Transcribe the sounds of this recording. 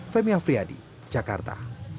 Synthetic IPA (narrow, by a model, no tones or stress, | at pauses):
fɛmiafɾiadḭ̥ | d͡ʒaka̰rt̪a̰